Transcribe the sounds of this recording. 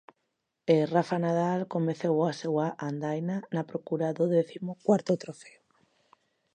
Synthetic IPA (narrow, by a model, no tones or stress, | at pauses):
erafanað̞alkomeθewasewaʔand̪ajnanapɾokuɾaðoðeθimokwaɾt̪ot̪ɾofeo